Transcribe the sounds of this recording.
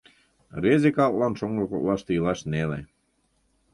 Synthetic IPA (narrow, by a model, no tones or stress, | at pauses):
rezʲekɑlt̪lɑnʃoŋɡoko̰lɑʃt̪ɤjlɑʃnelḛ